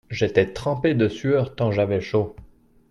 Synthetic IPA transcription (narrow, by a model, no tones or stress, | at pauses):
ʒet̪ɛt̪χɑ̃ped̪əsyœʁt̪ɑ̃ʒavɛʃo